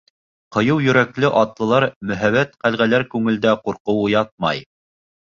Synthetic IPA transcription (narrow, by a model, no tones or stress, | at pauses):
qɤ̆jɤwjɵ̆ɾæklɘʔɑt̪lˠɤ̆lˠɑɾmɵ̆ɦæβæt̪qælʁælæɾkʉŋɘ̆ld̪æquɾqɤ̆wujɑt̪̚mɑ̰j